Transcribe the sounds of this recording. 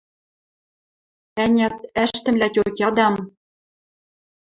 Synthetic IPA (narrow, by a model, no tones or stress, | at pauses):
ænʲæt̪æʃt̪ɘ̆mlætʲot̪ʲjɑd̪ɑm